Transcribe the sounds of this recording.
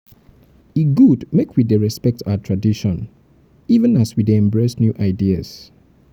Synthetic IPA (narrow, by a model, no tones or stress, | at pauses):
iɡudmekʰwideɹɛspɛk̚tʰaʊatʰɹadiʃɔ̃n | ivə̃naswideɛ̃mbɹesnjuʔaɪdias